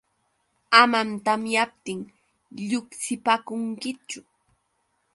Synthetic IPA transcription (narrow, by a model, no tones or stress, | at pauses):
amant̪amjap̚t̪ɪŋ | ʎʊksɪpakʊŋkɪt͡ʃʊ